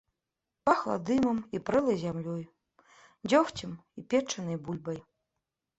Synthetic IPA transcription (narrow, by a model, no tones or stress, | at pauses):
paxlˠa̰d̪ɨmɐmipɾɨlˠɐjzʲamlʲɔj | d͡zʲɔxt͡sʲimipʲɛt͡ʂːɐnɨjbulʲbɐj